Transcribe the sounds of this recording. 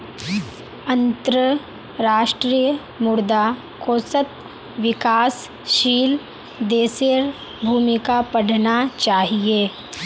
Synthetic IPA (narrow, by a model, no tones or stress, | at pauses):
ɐ̃nt̪ɾə | ɾaːʃʈɾijə | mʊɾd̪a | koːsət̪ | ʋɪkaːs | ʃiːl | d̪eːseɾ | bʱuːmɪkapɐɽ̤nat͡ʃaːɦieː